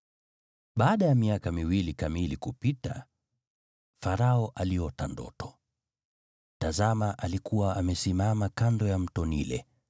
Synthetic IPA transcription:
ɓaːɗajamiakamiwilikamilikupita̰ | faɾaɔʔalijɔtandɔ̰tʰɔ̥ | tazamaʔalikuwaamɛsimamakandɔjam̩tɔnḭlɛ̰

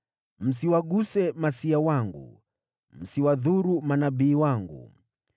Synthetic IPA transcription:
m̩siwaɡusɛmasiawaŋɡṵ | m̩siwaðuɾumanabiːwaŋɡṵ

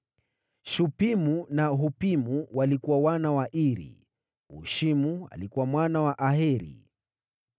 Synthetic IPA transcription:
ʃupimunaɦupimuwalikuwawanawaʔiɾḭ | ṵʃimua̰likuwamwanawaʔaɦɛɾḭ

